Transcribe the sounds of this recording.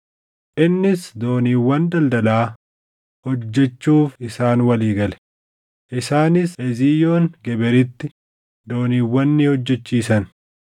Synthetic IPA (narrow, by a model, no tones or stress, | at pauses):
ʔɪnːɪsd̪o̞ːniːwːɐnd̪ɐld̪ɐlaː | hɔd͡ʒːɛt͡ʃːuːfɪsaːnwɐliːɡɐlɛ̥ | ʔɪsaːnɪsɛzijo̞ːŋɡɛbɛɾɪt̪ːɪ | d̪o̞ːniːwːɐnːɪhɔd͡ʒːɛt͡ʃːiːsɐn